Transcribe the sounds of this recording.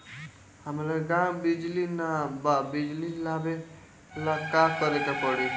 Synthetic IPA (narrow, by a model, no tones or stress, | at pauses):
həmlaɡãwbid͡ʒlinababid͡ʒlilabe | lakakʌɾet̪apʌɽi